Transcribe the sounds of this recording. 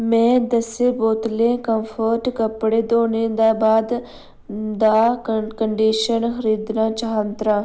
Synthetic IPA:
mɛ̃ːd̪əseːboːt̪lẽːkəmpʰəɾʈkəpɽeːd̪oːneːd̪aːbaːd̪ | d̪aːkəɳɖiːʃənxəɾiːd̪naːt͡ʃaːɦə̃nt̪ɾaː

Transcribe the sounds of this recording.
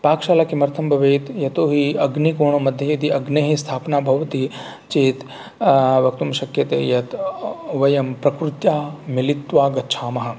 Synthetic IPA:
paːkʃaːlakimɐɾt̪ʰɐmbʱɐʋeːt̪jɐt̪oːɦiɐɡnikoːɳɐmɐd̪ʱjɐjɐd̪iɐɡneːɦist̪ʰaːpnaːbʱɐʋɐt̪i | t͡ʃeːt̪ | ʋɐk̚t̪umʃɐkjɐt̪ḛːjɐt̪ʋɐjɐmpɾɐkɾut̪jaːmilit̪ʋaːɡɐtːt͡ʃʰaːmɐɦɐ̆

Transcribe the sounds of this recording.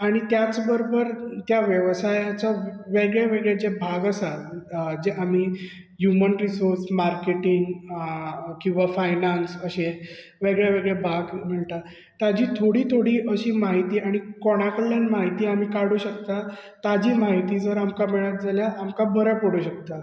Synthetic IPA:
aɽ̃it̪jat͡sbəɾobəɾt̪jaʋjəʋsajat͡saʋeɡɭjeʋeɡɭed͡ʑebʱaɡəsald͡ʑeʔamiː | ɦjumənɾisoɾsmaɾkeʈiŋɡ | kĩw̃ʋafajnansəɕe | ʋeɡɭjaʋeɡɭebʱaɡm̤əɭt̪a | t̪ad͡ʑiːt̪ʰoɽiːt̪ʰoɽiːʔəɕiːmaɦit̪iːaɽ̃ikɔɽ̃akəlːjanmaɦit̪iːamiːkaɽuːɕəkt̪a | t̪ad͡ʑiːmaɦit̪iːd͡zəɾamkameɭat̪̚d͡zaljaʔamkabəɾəpəɽuɕək̚t̪a

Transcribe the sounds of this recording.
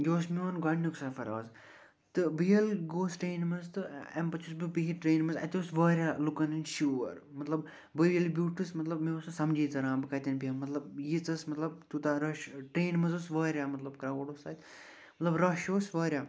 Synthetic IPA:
joːsmiʋɐnɡɐnːuksɐfɐɾɐ̰ːz | t̪ɨbijɐlɡoːsʈɾeːnmɐzt̪ɨḛmpɐt͡ʃʰusbibiɦiʈɾeːnmɐzɐ̰t̪ʲjoːsʋəːɾʲaːlukɐnɨnʃuːʋɐ̰ɾ | mɐt̪lɐb | bɨjɐlibʲuːʈɨsmɐt̪lɐbmiɐsɐsɐmd͡ʒiːt̪ɐɾãːbɨkɐt̪ʲɐnʲbijɐmɐt̪lɐb̚jit͡sɐsmɐt̪lɐb̚t̪ut̪aɾɐʃʈeːnmɐzosʋɐːɾʲaːmɐt̪lɐbkɾɐʋoɽoːsat̪ | mɐt̪lɐbɾɐʃoːsʋəːɾʲaː

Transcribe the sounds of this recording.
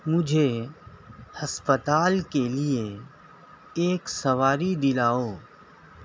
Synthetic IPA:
mʊd͡ʒʱe | hɐspət̪aːlkelie | eːksɐʋaːɾid̪ɪlaːoː

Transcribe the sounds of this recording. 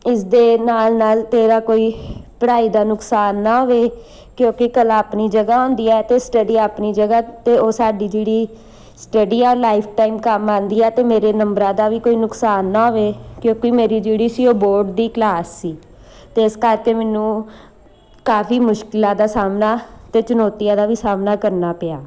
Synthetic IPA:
ɪsd̪eːnaːlnaːlt̪eːɾaːkoːiːpəɽaːiːd̪aːnʊksaːnːãːɦoːʋeː | kjõːkɪkəlaːpniːd͡ʒəɡaːõːnd̪iːɛːt̪eːsʈəɖiːaːpniːd͡ʒəɡaːt̪eːoːsaːɖiːd͡ʒeːɽiː | sʈəɖiːɛːlaːɪpʰʈaːiːmkəmãːnd̪iːɛːt̪eːmeːɾeːnəmbɾãːd̪aːʋiːkoːiːnʊksaːnːaːɦoːʋeːkjõːkimeːɾiːd͡ʒeːɽiːsɪoːboːɾɖd̪iːklaːsːiː | t̪eɪskəɾkeːmɛːnũː | kaːpʰiːmʊʃkɪlãːd̪aːsaːmnaːt̪eːt͡ʃʊnɔːt̪ɪjãːd̪aːʋiːsaːmnaːkəɾnaːpɪjaː

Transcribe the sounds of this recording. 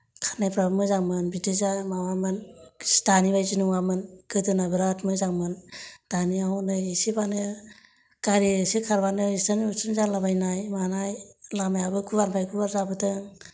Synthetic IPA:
kʰaɾnajpɾabmɯzaŋmɯnbitɯzamawamɯnstanibajzinuŋamɯnɡɯdɯnabɯɾatmɯzaŋmɯnd̥aniaɦawnɯjsibanɯ | kaɾisikʰaɾbanɯitanusɯnzalabajnajmanajlamajabɯkʰuβanpʰajkʰuβaɾzabɯtɯŋ

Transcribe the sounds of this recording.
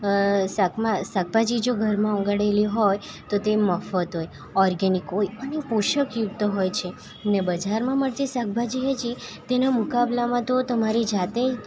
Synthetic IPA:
sakmasak̚bʱad͡ʒid͡ʒoɡʱəɾmãɔ̃ŋɡaɽeliɦoj | t̪ot̪eməfət̪ɦoj | ɔɾɡenikɦojənepuʃəkjuɡ̚t̪əɦojt͡ʃʰe | nebəd͡ʒaɾmãməɽt̪isak̚bʱad͡ʒiɦed͡ʒit̪enamukablamãt̪ot̪əmaɾid͡ʒat̪e

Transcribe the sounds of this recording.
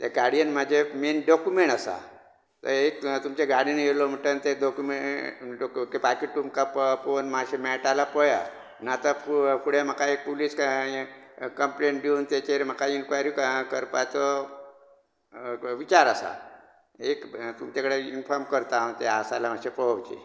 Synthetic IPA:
t̪eɡaɽijənmad͡ʑʱemenɖɔkumeɳʈasa̰ | t̪ə̰ɾek̚t̪umt͡ɕeɡaɽinjelom̤əʈːənt̪eɖɔkumeɖokepakiʈːumkapponmaɕemɛʈalapəja̰ | nat̪əppuɽem̤əkaek̚puliːsk | kəmpleɳʈɖeunt̪et͡ɕeɾm̤akainkʋajɾikkəɾpat͡sɔ | ʋit͡ɕaɾəsa̰ | ekt̪umt͡ɕakəɽeinfɔɾmkəɾt̪ãt̪easalam̤aɕepəɦəʋt͡ɕḛ

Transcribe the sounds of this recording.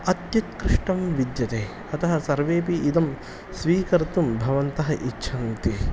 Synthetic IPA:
ɐt̪jut̪kɾɪʂʈɐmʋid̪jɐt̪eː | ɐt̪ɐɦɐsɐɾʋeːp̬iʔːd̪ɐm | sʋiːkɐɾt̪umbʱɐʋɐnt̪ɐɦɐʔitːʃʰɐŋt̪i

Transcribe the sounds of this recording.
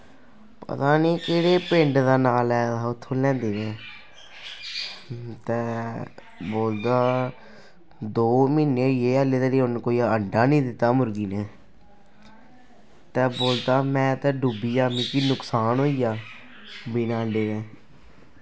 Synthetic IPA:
pə̰t̪aːniːkeːɽeːpẽɳɖd̪aːnaːlɛːt̪aːʊt̪ʰːõːlɛ̃ːnd̪eːneː | t̪ɛː | boːld̪aː | d̪oːmiːneːjeːəleːd̪eːɾiːʊnkoːiːəɳɖaːnĩːd̪ɪt̪ːaːmʊɾɡiːneː | t̪ɛːboːld̪aːmɛ̃ːt̪ɛ̃ːɖubiːaːmĩːkiːnʊksaːnɦoːiːaː | binaːəɳɖeːnẽː

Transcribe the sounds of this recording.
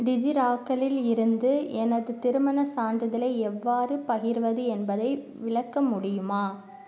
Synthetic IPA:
ɖɪd͡ʒiɾaːkːɐɭɪlɪɾɯnd̪ɯɛnɐðɯt̪ɪɾɯmɐnɐsaːɳɖɐðɪlɐɪɛʋːaːrɯpɐɣɪɾʋɐðɯɛnbɐðɐɪ | ʋɪɭɐkːɐmʊɽɪjɯmaː

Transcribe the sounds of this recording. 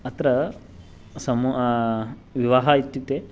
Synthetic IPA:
ɐt̪ɾɐ | sɐmu | ʋiʋaːɦɐit̪ːit̪ːe

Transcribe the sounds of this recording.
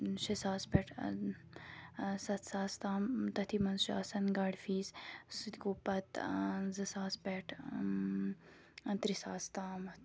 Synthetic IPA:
ʃɐsaːspeʈʰ | sɐt̪saːst̪aːmt̪ɐt̪ʰimɐnzʃɐːsɐnɡaɖfiːzsud̪ʲkuːpɐt̪zɨsaːspeʈʰ | t̪ɾisaːst̪aːm

